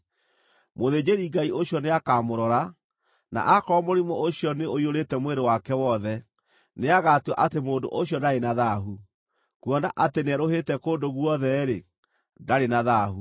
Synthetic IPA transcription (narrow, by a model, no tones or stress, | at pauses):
moðed͡ʑeɾiɡaioɕjɔneakaːmoɾɔɾa | na̰ʔakɔmoɾimɔoɕijɔneoioɾetɛmweɾewakɛwɔðɛ | neaɣatuaʔatemoːdo̰ʔoɕjɔdaɾenaðaɦu | kwɔnaʔatenɛɾoɦetɛkoːdoɣwɔðɛɾe | daɾenaðaːhu